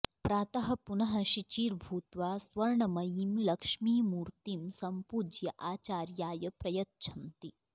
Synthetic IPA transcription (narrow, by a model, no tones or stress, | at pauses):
pɾaːt̪ɐɦɐ̆punɐɦɐʃit͡ʃiːɾbʱuːt̪ʋaːsʋɐɾɳɐmɐjimlɐkʂmiːmuːɾt̪imsɐmpud͡ʒjɐʔaːt͡ʃaːɾjaːjɐpɾɐjɐt̪̚ʃʰɐmt̪i